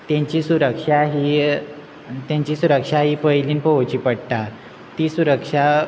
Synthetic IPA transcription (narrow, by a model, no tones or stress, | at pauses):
t̪jãɲt͡ɕiːsuɾəkʂaɦi | t̪jãɲt͡ɕiːsuɾəkʂaɦiːpəjliːnpəʋt͡ɕiːpəɽt̪a | t̪iːsuɾəkʂa